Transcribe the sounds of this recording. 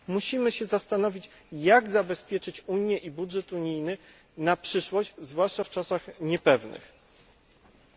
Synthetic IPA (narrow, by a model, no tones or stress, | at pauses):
muɕimɘɕɛzast̪anɔvʲit͡ɕ | jaɡzabɛspʲjɛt͡ʂɘt͡ɕuɲjɛʔibudʐɛt̪uɲijnɘ | napʂɘʂwɔɕt͡ɕzvwaʂt͡ʂaft͡ʂasaxɲɛpɛvnɘ̰x